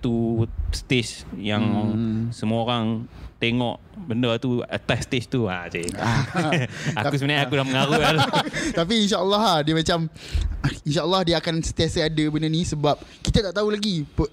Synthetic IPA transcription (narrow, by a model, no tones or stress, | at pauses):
t̪ust̪et͡ʃjaŋsəmuaoɾaŋt̪eŋɔʔ | bəndərt̪uə̰t̪ast̪et͡ʃt̪ua̰sea | akusəmənajakulahməŋaɾu | t̪ap̬iːnʃaʔəlːɔɦadiəmat͡ʃam | inʃaʔəlːahdiəakansənt̪iasəadəbənənisəbap̚kit̪at̪aʔt̪aulaɡipə